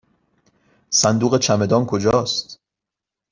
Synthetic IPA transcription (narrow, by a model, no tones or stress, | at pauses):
sænd̪uːɣet͡ʃʰæme̞d̪ɒːnkʰo̞d͡ʒɒːst̪